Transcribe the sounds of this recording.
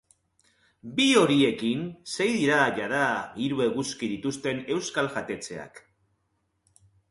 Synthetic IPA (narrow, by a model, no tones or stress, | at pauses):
bio̞ɾie̞kinse̞jðiɾaʝaðaiɾue̞ɣuskiðit̪ust̪e̞ne̞wskalʝat̪e̞t͡se̞a̰k